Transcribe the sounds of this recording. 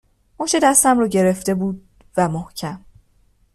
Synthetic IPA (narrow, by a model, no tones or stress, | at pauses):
moʃed̪æst̪æmrɒːɟe̞ɾe̞ft̪e̞buːd̪̚ | væmohcʰæm